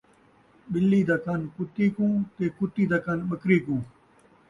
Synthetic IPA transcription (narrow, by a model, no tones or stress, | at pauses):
ɓɪlːiːd̪ɐkankʊt̪iːkũːt̪eːkʊt̪iːd̪ɐkanɓɐkɾiːkũː